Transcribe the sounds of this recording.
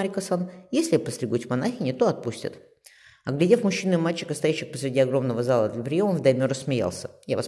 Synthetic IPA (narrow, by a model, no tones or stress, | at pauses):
ɾʲɪkɐsanjesʲlʲɪpəsʲɾʲɪɡutʲmɐnaxʲɪnʲɪt̪oɐt̪̚pusʲtʲɪ̰t̪ | ɐɡlʲɪdʲefmʊɕːinɨmalʲt͡ɕɪ̥kəɐst̪ɐjæɕːɪxpə̥sɾʲɪdʲiɐɡɾo̞mnəvəzalˠəd̪lʲəpɾʲɪjo̞məvd̪ɐjmʲoɾəsmʲɪja̰lˠsʲəjavɐs